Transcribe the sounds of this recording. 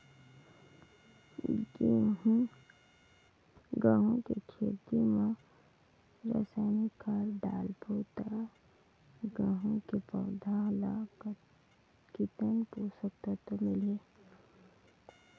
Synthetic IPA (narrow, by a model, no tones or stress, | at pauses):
ɡe | ɡãːɦõkekʰeːt̪ima | ɾə̰saːnikʰaɾɖaːlpoːt̪a | ɡaːɦũkepəwd̪ʱãlak | kit̪ənpoːsək̚t̪at̪omɪle